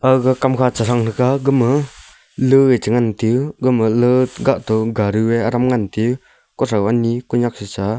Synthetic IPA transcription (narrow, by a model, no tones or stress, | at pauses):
ʔakakamkʰat͡ʃasaŋnɯkaɡɯmə | lɯet͡ʃəŋant̪iɡɯməlɯt̪ɡaʔt̪ɔɡaɾɯweaɾamŋant̪i | kɔsawanikɔɲak̚sit͡ʃa